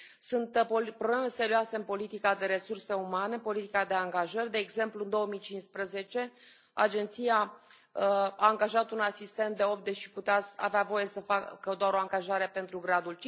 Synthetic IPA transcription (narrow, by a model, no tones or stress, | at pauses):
sunt̪poemse̞ɾioaseɨnpo̞lit̪ikad̪e̞ɾe̞surse̞umaneɨmpo̞lit̪ikad̪e̞aŋɡaʒərʲd̪e̞ːɡze̞mpluɨnd̪o̞əmijt͡ʃinspɾəze̞t͡ʃe̞ | a̰d͡ʒe̞nt̪sija | əaːŋɡaʒat̪unasist̪e̞nt̪d̪e̞o̞p̪̚d̪eʃiput̪eaa̰veavo̞je̞səfakəd̪oaɾo̞aŋɡaʒaɾe̞pe̞nt̪ɾuɡɾad̪ult͡ʃi